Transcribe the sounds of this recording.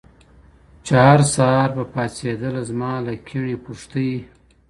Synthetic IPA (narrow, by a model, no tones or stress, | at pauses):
t͡ʃehaɾsɑɾbapɑsed̪əlazmɑːlakʰiɳipuʂt̪əji